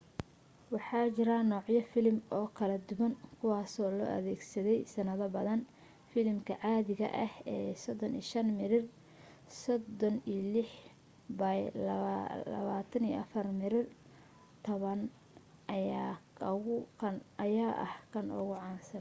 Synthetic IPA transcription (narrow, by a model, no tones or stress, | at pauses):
wɑħɑːt͡ʃɪɾanɔːʕjɐfɪlmɔːkʰɐlɐd̪ʊwɐŋkʰʊwɑːsɔːlɔ̰ːʔɐ̰ðɛːɡsɐðɛjsɐnɐðɐbɐðɐn | fɪlmkʰɐʕɑːðɪɣɐ̰ʔɐhɛːsɔd̪ɔniːʃɐnmɪɾɪr | sɔd̪ɔniːlɪħ | bajllɐ̰βaːt̪ʰɐnijʔɐfɐrmɪɾɪr | t̪ʰɔβɐn | ʊkʰɐnɐjaːʔɐ̰hkʰɐnɔ̰ɣʊʕɑːnsɐ